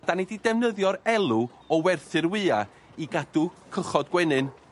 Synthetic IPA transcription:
d̥anididɛvnəðjɔɾɛlˠu | ɔwɛrθɨɾwɨːa | iɡad̥ukʰəχɔdɡwɛnɨn

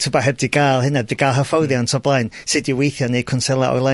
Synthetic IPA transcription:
tʰɪbaɦɛvdiɡaːlˠhɪnɛdviɡalˠɦəfɔwðjaɔntʰɔblˠajn | sɨdiwejθjɔnejkʰʊnsɛlˠa̰ʔɔ̰jlˠa

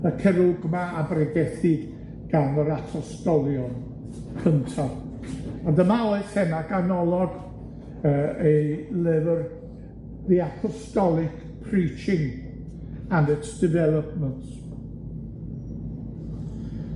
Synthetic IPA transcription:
əkʰɛɾʊɡmaabrɛɡɛθɪd | ɡ̥anəɾapʰɔstɔlˠjɔn | kʰəntʰa | ɔndəmalθɛmaɡanɔlˠɔɡ | əejlɪvr | ðiapʰɔstɔlˠɪk | pʰriːt͡ʃɪŋ | anɪtsd̥ɪvɛlˠəp̚ʰmənt

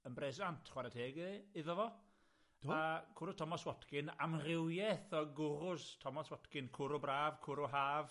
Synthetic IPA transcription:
ənbrɛsantʰχwaɾatʰeːɡɪðɔvɔ̥ | akʰʊɾʊstʰɔmɔswɔtkɪna̰mrɪwjɛθɔɡʊrʊstʰɔmɔswɔtkɪnkʰʊɾʊbraːvkʰʊɾʊɦaːv

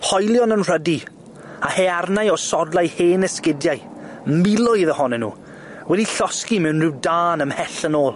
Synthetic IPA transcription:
hɔjlˠjɔnənr̥ədi | ahearnajɔsɔdlˠajheːnɛskɪdjaɨ | mɪlˠʊɨðəhɔnɛnṵː | wɛdiɬɔskimɛwnrɪwdaːnəmhɛɬənoːlˠ

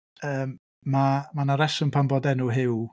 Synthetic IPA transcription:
əːm | mamanaɾɛsɔnpʰambɔdɛnʊɦɪw

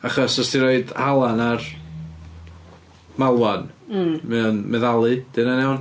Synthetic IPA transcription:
aχɔsɔsdiɾoɨdhalˠanar | mawanmɨnmɛðalˠɨd̥ɨnanɛwn

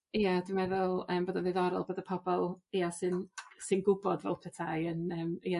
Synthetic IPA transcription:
ijadɪmɛðʊlˠəːmboːdənðɨðɔɾɔ̰lˠboːdəpʰɔbɔlˠijasɨnsɨnɡʊbɔdvɛ̰lˠpʰɛtʰaənəːmia

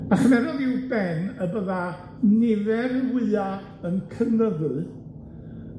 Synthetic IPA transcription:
aχənɛɾɔðɪwbɛnəbəða | nɪvɛɾwɨa | ənkʰəvnəðʊɨ

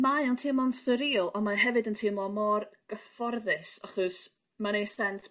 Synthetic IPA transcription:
majɔntʰɪmlˠɔnsəɾiːlˠɔmaɦɛvɨdəntʰɪmlˠɔmɔrɡ̥əfɔrðɨsaχɔs | manejsɛns

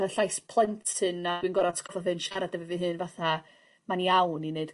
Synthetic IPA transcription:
əɬajspʰlˠəntʰɨnad̥winɡɔɾatskɔfɔðɨnʃaɾadɛvɛvɨɦɨːnvaθa | maniawnineɨd̥

